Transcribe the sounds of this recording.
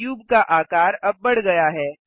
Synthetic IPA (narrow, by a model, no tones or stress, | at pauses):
juːbkaʔaːkaːɾɐb̚ːɐɽɡɐjaɦɛː